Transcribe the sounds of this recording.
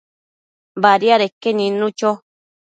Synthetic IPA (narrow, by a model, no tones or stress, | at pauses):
baɾjaɾekenĩnũt͡ʃo